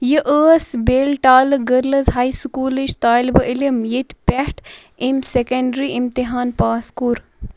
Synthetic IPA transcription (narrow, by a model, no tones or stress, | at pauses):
jəʔəːsbeːlʈaːlɨɡəɾlɐzɦaːiskuːliʃt̪aːlbəʔilimjit̪ʲpʲɛhʈ | imsekɐɳɖɾiimt̪iɦaːnpaːskuɾ